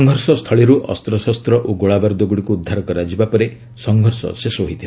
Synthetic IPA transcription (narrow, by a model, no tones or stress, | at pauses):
ŋɡʱɔɾsɔst̪ʰɔɭiɾuʔɔ̰st̪ɾɔsast̪ɾɔʔoɡoɭabaɾd̪oɡuɽikuːd̪ʱːaɾɔkɔɾad͡ʒibapɔɾe | sɔŋɡʱɔɾsɔ̰sesoɦit̪ʰi